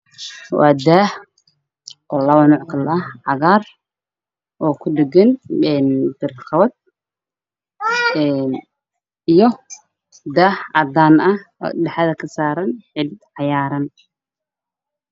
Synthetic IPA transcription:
wʔɑ̰ːd̪aːh | ʔɔːlɐβɐnɔːʕkʰɐlʔɐʕɑɣaːr | ʔɔːkʰʊɖɛɡɐnɛːnb̪̥ɪrqɑβɐd̪̚ | ɛn | ijɔ | d̪aːhɐd̪aːnɐhɖɛħɑðɐkʰɐsaːɾɐnʕɪd̪̚ʕɑjaːɾɐn

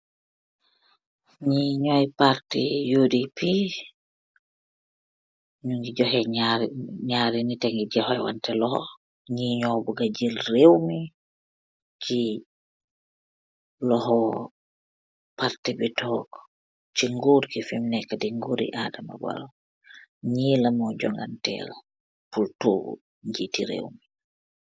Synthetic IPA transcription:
ɲiɲɔjpaɾtijudipi | ɲuŋɡid͡ʒɔhɛɲaɲaɾinitɛŋɡiɟɛhɔjwa̰ntɛlɔhɔ̰ | ɲiɲɔbuɡad͡ʒilrewmi | t͡ʃi | lɔhɔ | paɾtɛbɛtɔɡɔ | t͡ʃiŋɡuɾkifimnɛkadiŋɡuɾḭʔadama̰ba̰ɾɔ | ɲilamɔd͡ʒɔ̰ŋɡantɛ̰ɾa | pultuːbṵ | ɲd͡ʒitiɾḛwmi

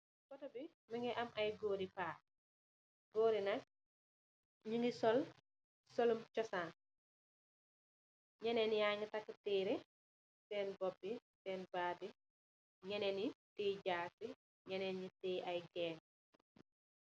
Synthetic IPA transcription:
kɔtɔbi | məŋɛʔɐmʔɐjɡoːɾipaː | ɡoːɾinɐk̚ | ɲuŋɡisɔl | solumt͡ʃɔsan | ɲɛnɛnjaŋitɐkːətiːɾɛ | sɛːnbɔbːisɛːnbaːdi | ɲɛnɛnitiɟaːk̚ːi | ɲɛnɛnɲitiʔɐjɡɛːn

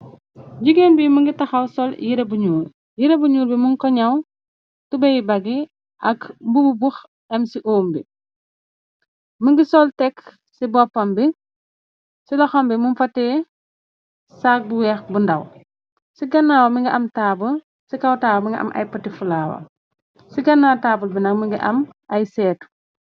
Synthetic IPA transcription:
ɟuɡenbiməŋɡitɐxɐwsɔljiɾɐbuɲuːɾ | jiɾɐbuɲuːɾbimuŋkɔɲɐw | tubɐjbɐɡi | ʔɐkbububux | ɐmsiʔoːmbi | məŋɡisɔltɛk | sibɔpːɐmbi | silɐxɔmbimunfɐtːɛː | sak̚buwɛxbundɐw | siɡɐnːaːwɐmiŋɡiʔɐmtaːbu | sikɐwtaːbɐmiŋɡiʔɐ̰mʔɐ̰jpɐtifulaːwɐ̰ | siɡɐnːaːwtaːbulbinɐk̚miŋɡiʔɐmʔɐjsɛːtu̥

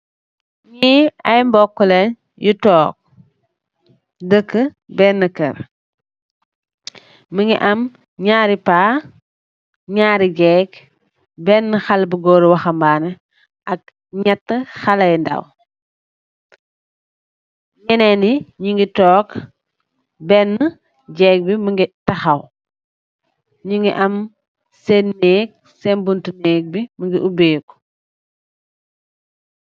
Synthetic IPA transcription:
ɲiɐjmbɔkːulɛn | jutɔːk̚ | dəkːə | bɛːnːəkɐɾ | məŋɡiʔɐm | ɲaːɾipaː | ɲaːɾiɡɛːk | bɛːnːəxɐlbəɡɔːɾwɐxɐmbaːnɛ | ɐk̚ | ɲatːəxɐlɐjndɐ̰w | ɲɛnɛniɲiŋɡitɔːk | bɛnːə | ɟɛːk̚biməŋɡitɐxɐw | ɲiŋɡiʔɐm | sɛnːɛːk̚ | sɛnbuntunɛːk̚biməŋɡiʔubɛːk

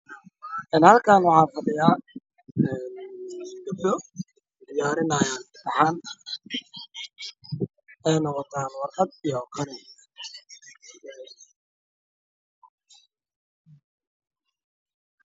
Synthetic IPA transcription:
ʔɛːnhɐlkʰaːnwɑħɑːfɐdɪjaː | ɛːnɡɐbd̪ɔ | d̪ɪjaːɾɪnɐːjaːnt̪ɐħaːn | ɛjnɔqɔt̪ʰaːnwɑrqɐd̪ijɔqʰɐɾɪ

